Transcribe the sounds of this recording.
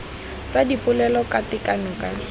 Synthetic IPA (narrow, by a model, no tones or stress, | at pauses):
t͡sadipʼʊlɛlɔkatɪkʼanʊkʼa